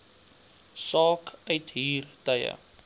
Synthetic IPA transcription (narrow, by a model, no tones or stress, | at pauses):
sɑːkœɥtɦiːrtəjə̰